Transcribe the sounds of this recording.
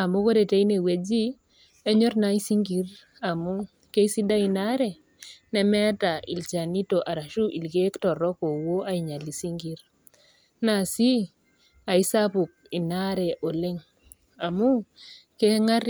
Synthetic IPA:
a˨mo˦ko˦de˨te˦i˦ne˨we˨d͡ʒi˦ | ɛ˦ɲɔ˦ɾna˦i˦si˦ŋɡi˨ɾ | a˨mu˦ | ke˦i˦si˦da˦i˨na˦ɾɛ˨ | nɛ˦mɛ˦ta˨ḭ˨lt͡ʃa˨ni˦to˨ʔa˨ɾa˨ʃu˦ʔi˨lɡe˦ktɔ˨ɾɔ˦ko˨wo˦a˦i˨ɲa˨li˨si˦ŋɡi˨ɾ | na˨si˦ | a˨ɪ˦sa˦pʊ˨k̚ɪ˨na˦ɾɛ˨ʔo˨lɪ˦ŋ | a˨mu˦ke˦ŋa˦ɾ

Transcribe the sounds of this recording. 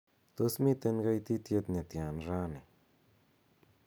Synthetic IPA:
t̪o˦smi˦t̪e˧nɡa˦˧jt̪i˦t̪je˧t̪ne˨t̪ja˨nʐa˦ne˨

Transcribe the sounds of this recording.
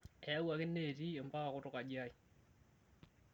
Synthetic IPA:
ɛ˨a˦wa˨kɪ˦nːe˦˨ti˦e˨mba˦ka˨kʊ˦tʊ˦ka˨d͡ʒja˦j

